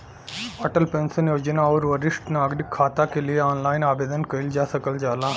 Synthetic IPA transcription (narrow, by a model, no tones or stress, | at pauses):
ɐʈəlpẽːnsənjoːd͡ʒənaɔːɾʋəɾɪsʈnaːɡɾɪkʰːaːt̪akelieaːnlaːɪnaːbeːd̪ənkɐɪld͡ʒaːsɐkəld͡ʒaːlaː